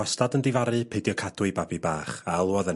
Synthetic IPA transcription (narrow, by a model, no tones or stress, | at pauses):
ɔstadəndɪvaɾɨpʰejdjɔkʰadwʊɨbabibaːχalˠuɔðə